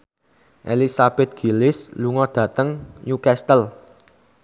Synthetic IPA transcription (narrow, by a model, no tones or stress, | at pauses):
ʔḛlisab̥ɛt̪̚ɡ̥i̤lɪsluŋɔd̪̥ä̤t̪əŋjukɛst̪əl